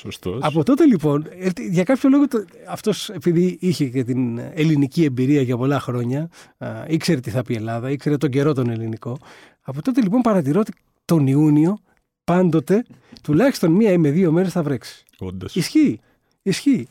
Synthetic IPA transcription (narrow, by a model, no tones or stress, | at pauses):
sost̪oɐpo̞t̪o̞t̪e̞lipo̞net̪ʝɐkɐpço̞lo̞ɣot̪ɐft̪o̞se̞piðiiçecet̪inelinicie̞mbiɾiɐʝɐpo̞lɐxɾo̞ɲɐ | ikse̞ɾet̪iθɐpie̞lɐðɐikse̞ɾet̪o̞ɲɟe̞ɾo̞t̪o̞ne̞liniko̞ | ɐpo̞t̪o̞t̪e̞lipo̞mpɐɾɐt̪iɾo̞t̪e | t̪o̞niunio̞ | pɐnd̪o̞t̪e̞t̪ulɐçist̪o̞nmiɐime̞ðio̞me̞ɾe̞sθɐvɾe̞ksi̥ | kond̪ɐsisçi | isçi